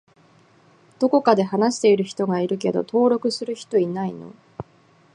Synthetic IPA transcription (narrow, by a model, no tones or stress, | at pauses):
d̪̥o̞ko̞kad̪e̞hanaɕi̥t̪e̞iɾɯ̟çi̥t̪o̞ɡaiɾɯ̟ke̞d̪o̞̰t̪o̞ːɾo̞kɯ̟sɨɾɯ̟çi̥t̪o̞inaino̞̰